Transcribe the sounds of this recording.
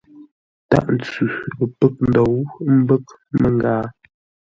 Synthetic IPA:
ta̰˦˨ʔn̩˨t͡sʉ˨ə˨pə˦˨k̚n̩˦˨do˨wm̩˦bə˦k̚ | mə˦ŋ˦ɡaː˦

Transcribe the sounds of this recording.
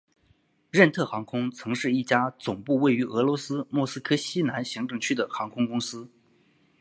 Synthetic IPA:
ɻə˥˧nt̪ʰɤ˥˩xɑ˧˥ŋkʰʊ˥ŋt͡sʰɤ˧˥ŋʂɻ̩˥˧i˥˩t͡ɕja˥t͡sʊ˨˩ŋpu˥˧we˥˩ɪy˧˥ʔɤ˧˥lwɔ˧˥sɹ̩˥mwɔ˥˩sɹ̩˥kʰɤ˥ɕi˥na˧˥nɕi˧˥ŋʈ͡ʂɤ˥˩ŋt͡ɕʰy˥d̪ə˨xɑ˧˥ŋkʰʊ˥ŋkʊ˥ŋsɹ̩˥

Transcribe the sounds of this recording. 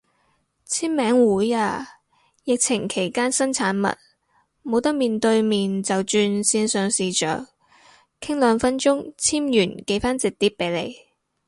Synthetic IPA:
t͡sʰiː˥mmɛː˨˥ŋwuː˨˥jaː˧ | jɪ˨k̚t͡sʰɪ˨˩ŋkʰe˨˩jkaː˥nsɐ˥nt͡sʰaː˨˥nmɐ̰˨t̚ | mo˨˧wt̪ɐ˥k̚miː˨˩nt̪ɵ˧ɥmiː˨nt͡sɐ˨wt͡ʃyː˧nsiː˧nsœː˨˧ŋsiː˨t͡ʃœ̰ː˨k̚ | kʰɪ˥ŋlœː˨˧ŋfɐ˥nt͡ʃʊ˥ŋt͡sʰiː˥mjyː˨˩nke˨˧˥jfaː˥nt͡sɪ˨k̚t̪iː˥p̚pːe˨˧˥jlḛ˨˧j

